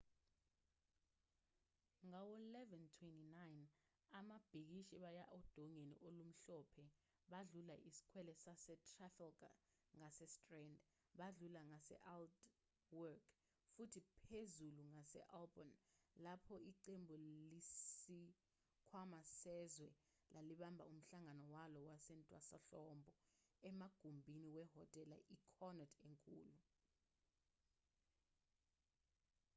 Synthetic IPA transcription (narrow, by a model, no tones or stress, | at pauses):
ŋawɔlɛvɛntʰwɛntinajn | amab̥ʱik̬iʃiɓajaʔɔd̥ʱɔŋenḭʔolum̩ɬɔpʰɛ | ɓaɮulaʔisi̥kʰwɛlɛsasɛtʰʼrafɛlɡa̰ | ŋasɛstʼrɛnd | ɓaɮulaŋasɛ̰ʔald | wɔkʰ | futʰipʰezuluŋasɛ̰ʔalbɔnlapʰɔiǃembʱulisi | kʰwamasɛzwɛ | lʔaliɓambʱa̰um̩ɬaŋanɔwalɔwasɛntʼwasa̰ɬɔmbʱɔɛmaɡ̥ʱumbʱiniwɛɦɔtʼɛlaʔikʰɔnɛtʰeŋkʼṵːlu